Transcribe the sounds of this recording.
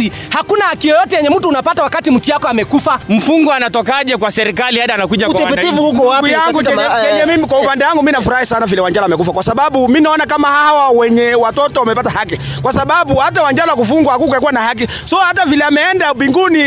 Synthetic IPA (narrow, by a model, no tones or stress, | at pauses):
ihakunahakijɔjɔtɛjɛɲɛm̩tuːnapatawakatim̩tijakɔamɛkufam̩fuŋɡɔanatɔkaʄɛkwasɛɾikaliaɗanakuʄakwaipitivuhukɔwaujaŋɡuɲɛkɛɲɛmimik̬waupandɛwaŋɡuminafuɾahisanavilɛwaɲd͡ʒalamɛkufakwasaɓaɓuminaɔnakamahaawawɛɲɛwatɔtɔwamɛpatahaki | kwasaɓaɓuhatawaɲd͡ʒalakufuŋɡwahakukakuwanahak̬i | sɔhatavilɛamɛɛndaɓiŋɡuni